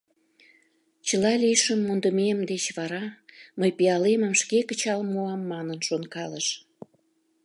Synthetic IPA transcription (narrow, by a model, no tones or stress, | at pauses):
t͡ɕəlɑliʃəmːund̪əmemd̪et͡ɕβɑɾɑməjpiɑleməmʃkekət͡ɕɑlmoɑmːɑnənʃonkɑləʃ